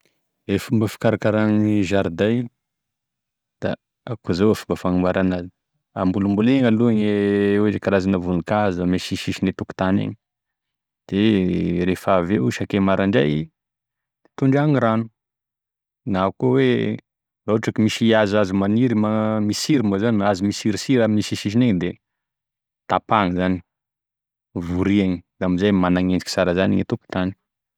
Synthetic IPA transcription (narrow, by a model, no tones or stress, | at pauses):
efumbəfi̥kaɾakaɾaniʒaɾd̪aj | d̪̥a̰ | akuzawafumbəfaŋumbaɾanazi | ambulumbuleŋaluaɲewezekaɾazanavunikazameʃiʃiʃinet̪uku̥t̪anḛɲi̥ | d̪̥eɾefaveuʃakemaɾaɳɖ͡ʐa̰j̪ | t̪uɳɖ͡ʐaŋiɾanu̥ | naukowe | ɾauaʈ͡ʂakimisiazazumaniɾimamisiɾimozanazimisiɾisiɾamisiʃiʃ̬ineɲd̪e | t̪apaŋizani | vuɾiaŋid̪amizajmanaŋend͡ʒi̥ki̥saɾazanḭɲit̪uku̥t̪ani̥